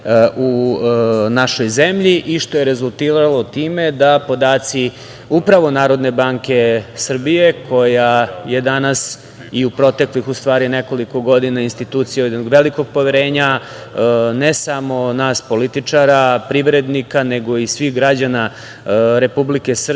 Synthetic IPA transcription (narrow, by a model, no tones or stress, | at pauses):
ʔu | naʃo̞jze̞mʎiʔiʃt̪oje̞ɾe̞zulˠt̪iːɾalo̞t̪iːme̞d̪apo̞d̪aːt̪si | upɾaʋo̞naːɾo̞d̪ne̞baːŋke̞sr̩bije̞kʰo̞jaje̞d̪anas | iupɾo̞t̪e̞klixust̪ʋaːɾine̞ko̞liko̞ɡo̞d̪inainst̪it̪uːt̪sijajed̪noɡʋe̞liko̞ɡ̚po̞ʋeɾe̞ːɲa | ne̞samo̞naːspo̞lit̪it͡ʃaɾapɾiʋɾe̞d̪nikane̞ɡo̞isʋixɡɾad͡ʑana | ɾe̞publike̞sr